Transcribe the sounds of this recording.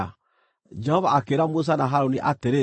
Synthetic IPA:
d͡ʒɛhɔvaːkeɾamos̬anaɦaɾoniʔateɾe

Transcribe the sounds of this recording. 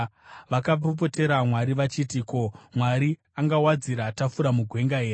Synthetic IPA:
ʋakapop̬o̞te̞ɾamwaɾiʋat͡ʃitiko̞mwaɾi | aŋɡawad͡ziɾatafuɾamuɡʱwe̞ŋɡaɦe̞ːre

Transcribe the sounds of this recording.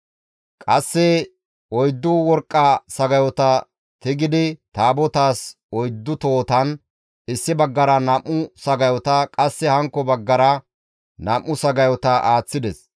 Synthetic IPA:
kʼɐsːɛ | ɔjd̪ːʊwɔɾkʼːɐsɐɡɐjɔt̪ɐ | t̪ɪɡɪd̪ɪt̪aːbɔt̪aːs | ɔjd̪ːʊt̪oːt̪ɐn | ɪsːɪbɐɡːɐɾɐnɐmːʊsɐɡɐjɔt̪ɐkʼɐsːɛhɐŋkːɔbɐɡːɐɾɐ | nɐmːʊsɐɡɐjɔt̪ɐʔaːt͡sːɪd̪ɛs

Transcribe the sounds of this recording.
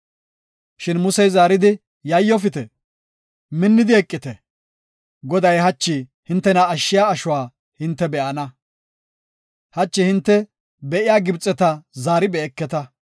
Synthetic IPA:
ʃɪnmʊsɛjzaːɾɪd̪ɪ | jɐjːɔfɪt̪ɛ | mɪnːɪd̪ɪɛkʼːɪt̪ɛ | ɡɔd̪ɐjɦɐt͡ʃːɪ | hɪnt̪ːɛnɐːʃːɪjaːʃʊwaː | hɪnt̪ːɛbɛʔɐnɐ | hɐt͡ʃːɪhɪnt̪ːɛ | bɛʔɪjaːɡɪbt͡sʼːɛt̪ɐzaːɾɪbɛːkːɛt̪ɐ

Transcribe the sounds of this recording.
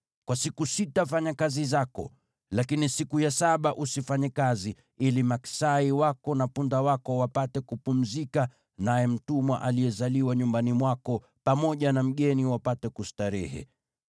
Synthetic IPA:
kwasikusitafaɲakazizakɔ̰ | lakinisikujasaɓaʔusifaɲɛkazi | ilimaksaiwakɔnapundawakɔwapatɛkupum̩zika | najɛm̩tumwa̰ʔalijɛzaliwaɲumbanimwakɔ | pamɔʄanam̩ɠɛniwapatɛkustaɾɛhɛ̰

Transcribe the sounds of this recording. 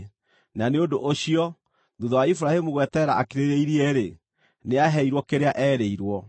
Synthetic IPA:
naneondoʔoɕiɔ | ðuðɔwaifuɾahemuɣwɛtɛɾaakeɾeɾeiɾiɛɾe | neaɦɛiɾwɔkeɾeaʔɛːɾeiɾwɔ

